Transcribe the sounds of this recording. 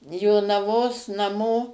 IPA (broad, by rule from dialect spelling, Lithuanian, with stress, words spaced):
joːnɐˈʋoːs nɐˈmoː